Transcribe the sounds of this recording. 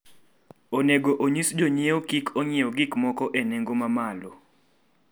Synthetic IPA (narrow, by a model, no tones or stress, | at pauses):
oneɡoʔoɲisd͡ʒoɲeokikʰoɲeoɡɪkmɔkɔʔeneŋɡomamalo̰